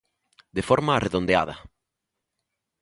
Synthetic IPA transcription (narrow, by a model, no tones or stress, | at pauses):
d̪efoɾmaːreðond̪ea̰ðɐ̰